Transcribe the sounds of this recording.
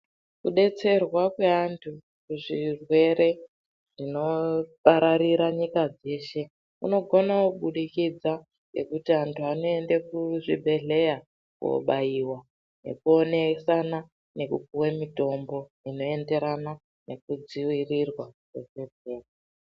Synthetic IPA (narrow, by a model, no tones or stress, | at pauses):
kuɗe̞t͡se̞rwakwe̞antʰu | kuʐirwe̞ɾe̞ | ʐ̥ino̞paɾaɾiɾaɲikad͡ze̞ʃe̞ | ṵno̞ɡʱo̞nakuɓuɗikid͡za | ŋɡe̞̰kutiantʰuano̞e̞ndekuʐibʱe̞ɮe̞ja | kṵo̰ɓajiwa | ne̞̰kuo̞ne̞sana | ne̞kukuwemito̞mbo̞ | ino̞e̞nde̞ɾana | ne̞k̚ud͡ziwirirwakebe̞d͡zʱeːra